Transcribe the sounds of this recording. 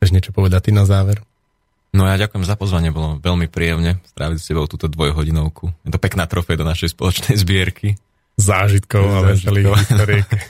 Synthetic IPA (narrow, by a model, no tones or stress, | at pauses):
ɛʒɲɪɛt͡ʃɔpɔʋɛd̪at̪ːinazaːʋɛɾ | nɔjaːɟakʊjɛmzapɔzʋaɲɪɛbɔlɔʋɛlmipɾiːjɛmɲɛst̪ɾaːʋicscɛbɔʊt̪uːt̪ɔd̪ʋɔjɦɔɟinɔʊkʰujɛt̪ɔpɛknaːt̪ɾɔfɛjd̪ɔnaʃɛjspɔlɔt͡ʃnɛjzbɪɛɾkʰi | zaːʒit̪kɔʊalɛliːiɔɾ